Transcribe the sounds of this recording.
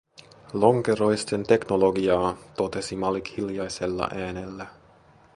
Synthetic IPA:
lo̞ŋkeɾo̞jst̪e̞nt̪e̞kno̞lo̞ɡiɑːt̪o̞t̪e̞simɑlikhiljɑjse̞lːɑ̰ʔæːne̞lːæ

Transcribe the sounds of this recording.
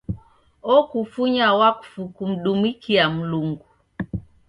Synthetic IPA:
ɔkufuɲawaku̥fukum̩ɗumikʰiam̩luŋɡu

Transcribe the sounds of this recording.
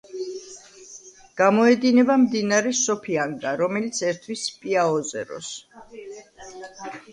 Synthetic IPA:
ɡ̥amɔɛd̪inɛbamd̪inaɾɛsɔpʰiaŋɡaɾɔmɛlit̪sʰɛɾt̪ʰwispʼiaɔzɛ̰ɾɔ̰s

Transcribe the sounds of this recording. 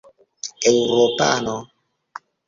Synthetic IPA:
ewɾopa̰no

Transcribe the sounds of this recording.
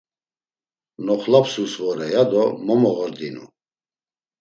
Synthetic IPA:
nɔχlapʰsusvɔɾɛjad̪ɔmɔmɔʁɔɾd̪inṵ

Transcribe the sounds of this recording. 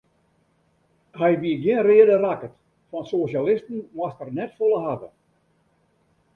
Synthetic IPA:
hɛjʋiəɡjɪənreədərakət | fɔnsosjalɪstən̩mwastərnɛtfolˠəɦadə̰

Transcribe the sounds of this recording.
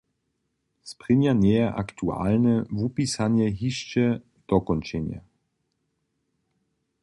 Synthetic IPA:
spʁɪɲjanjɛjɛʔakt̪ʰua̰ːlnɛvupisaɲjɛɦiʃt͡ʃɛ | d̪̥ɔkɔnt͡ʃɛɲja̰

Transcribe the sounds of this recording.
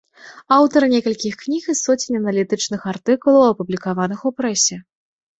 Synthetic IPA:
awt̪ɐɾɨnʲɛkɐlʲkʲixknʲixisɔt͡sʲinʲɐnɐlʲit̪ɨt͡ʂnɨxart̪ɨkulˠɐwɐpublʲikavanɨxupɾɛsʲɛ

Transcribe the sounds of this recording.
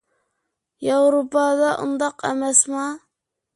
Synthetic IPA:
jawɾupɑd̪ɑʔʊ̰nd̪ɑqæmæsmɑ

